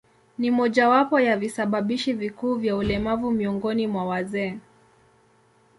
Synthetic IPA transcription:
nimɔʄawapɔjavisaɓaɓiʃivikuːvjaulɛmavumiɔŋɡɔnimwawazɛː

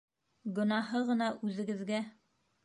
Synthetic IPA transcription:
ɡɵ̆nɑhɤʁɤ̆nɑʔʉðɘ̆ɡɘ̆ðɡæ

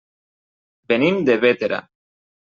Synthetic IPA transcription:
benimd̪eβet̪eɾa̰

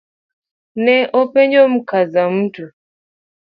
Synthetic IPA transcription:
nɛʔɔpɛɲd͡ʒɔm̩kazam̩tu

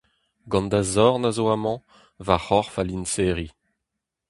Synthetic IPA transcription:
ɡɑ̃nd̪azɔʁnazoamɑ̃ | vaχɔʁfalinseːʁi

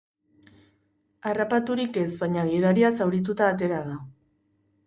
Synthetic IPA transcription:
arapat̪uɾike̞zβajɲaɣið̞aɾiasawɾit̪̬ut̪aːt̪̬e̞ɾað̞a

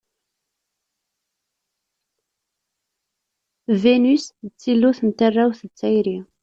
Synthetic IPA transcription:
venyst͡sːilːʊθənt̪ərˤːæwθət͡sːæjɾi

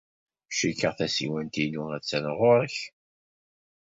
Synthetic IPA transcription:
ʃikːəʁθæsḭwænt̪inuŋæðt͡sːænəʁʊɾəç

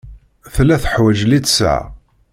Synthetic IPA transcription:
θlːæθəħwæʒlit͡s̪sə̰ʕ

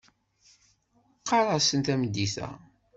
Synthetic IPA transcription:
qːɑɾˤɑsənt̪æməd̪ːiθæ̰

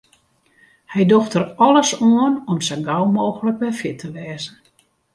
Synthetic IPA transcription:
hɛjdoxtərɔləsoənɔmsɛnɡawmoːxələk̚bɛfjɪtʰəʋɛːzən̩

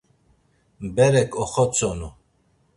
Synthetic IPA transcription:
bɛɾɛkʰʼɔχɔt͡sʼɔnu

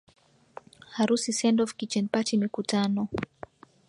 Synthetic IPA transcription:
haɾusisɛndɔfkit͡ʃɛnpatimikutanɔ

